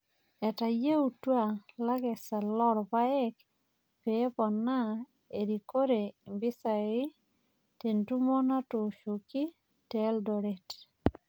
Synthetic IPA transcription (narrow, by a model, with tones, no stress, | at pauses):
ɛ˨ta˨je˦u˨twa˦˨la˦ɡɛ˨sa˨lɔ˦ɾpa˦ɛ˦k | pe˦pɔ˨na˦ | e˨ɾi˨ko˦ɾe˨mbi˦sa˨ɪ˦ | te˨ntu˦mo˦na˦to˨ʃo˨ki˦ | tɛ˦ldɔ˨ɾe˨t